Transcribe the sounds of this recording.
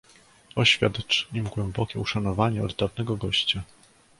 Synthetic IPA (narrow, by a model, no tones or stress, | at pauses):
ɔɕfʲja̰d̪t͡ʂimɡwɛmbɔkʲɛuʂanɔvaɲɛɔd̪d̪avnɛɡɔɡɔɕt͡ɕa